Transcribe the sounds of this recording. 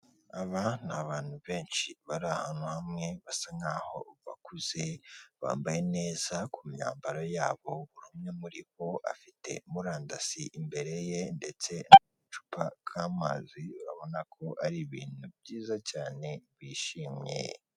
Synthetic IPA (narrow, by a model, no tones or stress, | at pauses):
aβanaβaːn̥huβe̞ːnʃiβaɾahanuhamŋe̞βasaŋɡaːho̞̰βa̰kuz̥eβa̰ːmbaje̞ne̞ːz̥akumɲa̰ːmbaɾojaːβo̞βuɾumɲemuɾiβo̞ʔa̰fite̞̰muɾaːndasiʔimbe̞ɾe̞je̞nde̞t͡se̞numut͡ʃu̥pakʰaːma̰ziβaβo̞nakʰo̞aɾiβiːn̥ubɟiːzacaːne̞βiːʃiːmɲḛ